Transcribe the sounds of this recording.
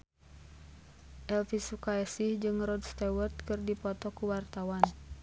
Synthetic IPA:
ʔɛlfisukaɛsihd͡ʒɨŋrɔdst̪ɛwərt̪̚kɨrdipɔt̪ɔkuwart̪awan

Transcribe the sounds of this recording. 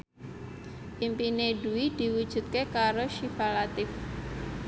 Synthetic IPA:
ʔimpineɖuwid̪̥i̤wud̥ʒ̥ṳt̪̚kekaɾoʃifalat̪ɪf

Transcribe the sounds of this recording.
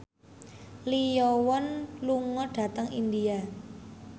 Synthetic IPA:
lijɔwɔnluŋɔɖ̥ä̤t̪əŋḭndia

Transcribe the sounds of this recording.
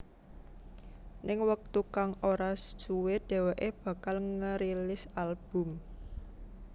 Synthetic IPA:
nɪŋwək̚t̪ukaŋoɾasd̥ʒ̥uwed̪̥e̤weʔeb̥ä̤kalŋəɾilɪsalb̥ʊ̤m

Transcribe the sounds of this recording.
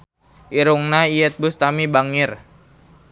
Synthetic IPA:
ʔiɾuŋnaiɛt̪̚bʊst̪amibaŋɪr

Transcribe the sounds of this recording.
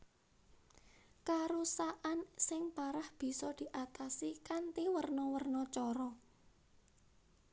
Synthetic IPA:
kaɾusaʔansɪŋpaɾahb̥i̤sɔd̪̥i̤ʔat̪asikant̪iwərnɔwərnɔt͡ʃɔɾɔ

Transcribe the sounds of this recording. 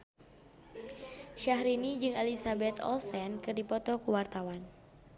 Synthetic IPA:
ʃahɾinid͡ʒɨŋalisabɛt̪ɔ̰lsɛnkɨrdipɔt̪ɔkuwart̪awan

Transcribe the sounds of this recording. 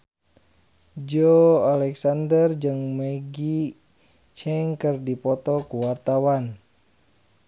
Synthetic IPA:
d͡ʒɔalɛksandərd͡ʒɨŋmɛɡi | t͡ʃɛŋkərdipɔt̪ɔkuwart̪awan

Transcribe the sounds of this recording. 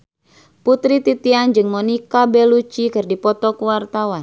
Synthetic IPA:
put̪ɾit̪it̪iand͡ʒɨŋmɔnikabɛlut͡ʃikərdipɔt̪ɔkuwart̪awan

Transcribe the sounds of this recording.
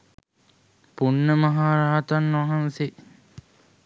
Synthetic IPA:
punːəmɐɦaːɾaːt̪anʋaɦanse

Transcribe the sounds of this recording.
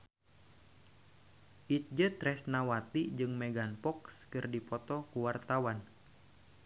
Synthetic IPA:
ʔit̪̚d͡ʒət̪ɾɛsnawat̪id͡ʒɨŋmɛɡanpɔkskɨrdipɔt̪ɔkuwart̪awan

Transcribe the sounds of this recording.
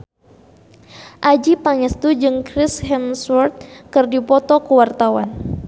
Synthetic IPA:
ʔad͡ʒipaŋɛst̪ud͡ʒɨŋkɾishɛmswɔrt̪̚kɨrdipɔt̪ɔkuwart̪awa̰n

